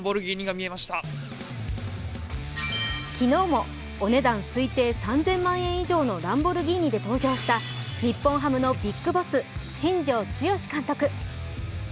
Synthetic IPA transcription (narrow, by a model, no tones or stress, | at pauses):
bo̞ɾɯ̟ɡʲiːɲʲiɡamʲie̞maɕi̥t̪a | kʲino̞ːmo̞ː | ne̞d̪ãɰ̃sɨit̪e̞ːsãnd͡zẽ̞mːãɰ̃ẽ̞ɰ̃iʑo̞ːno̞ɾãmbo̞ɾɯ̟ɡʲiːɲ̟ʲid̪e̞t̪o̞ːd͡ʑo̞ːɕi̥t̪aɲ̟ʲipːõ̞ɰ̃ɦamɯno̞bʲikːɯ̟bo̞sɨɕĩɲ̟d͡ʑo̞ːt͡sɨjo̞ɕi̥kãnt̪o̞kɯ̟